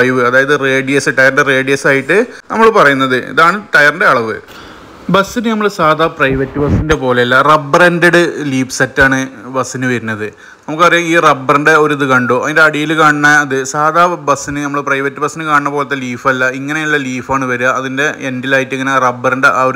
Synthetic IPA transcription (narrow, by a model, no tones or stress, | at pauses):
ɐjʋɨɐðaːjɐðɨre̞ːɖijɐsɨʈɐjɐrɳɖere̞ːɖijɐsaːjiʈːɨ | nɐmːɐɭpɐrɐjunːɐðɨḭðaːɳɨʈɐjɐrinɖe̞ɐɭɐʋɨ | bɐsinɨnɐmːɐɭsaːd̪ʱaːprɐjʋɐtːɨbɐsinde̞po̞ːleɐlːɐrɐbːɐrendeɽɨliːpsɐtːaːɳɨbɐsinɨʋɐɾunːɐðɨ | nɐmukːɨpɐrɐjuiːrɐbːɐrinɖe̞o̞ɾɐðɨkɐɳɖoːɐðinde̞ɐɽijilkaːɳɨnːɐːðɨsaːd̪ʱaːbɐsinɨnɐmːɐɭɨprɐjʋɐtːɨbɐsinɨkaːɳinːɐpoːlɐt̪ːeliːfɐlːɐiŋːɐne̞ulːɐliːfaːɳɨʋɐɾuɐɐðinde̞endilaːjitːiŋːɐnerɐbːɐrinɖe̞ʔaoɾ